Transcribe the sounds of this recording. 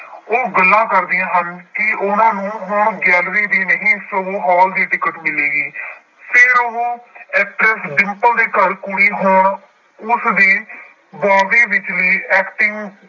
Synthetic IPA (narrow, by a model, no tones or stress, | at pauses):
oːɡəlːãːkəɾd̪ijãːɦənkɪʊnãːnũːɦʊɳɡɛːlɾiːd̪iːnəɦĩːsoːoːɦɔːld̪iːʈɪkːəʈmɪleːɡiː | pʰɪɾoːɛːpɾɛsɖɪmpəld̪eːkəɾkʊɽiːɦʊɳ | ʊsd̪iː | bɔːd̪eːʋɪt͡ʃliːɛːkʈɪŋɡ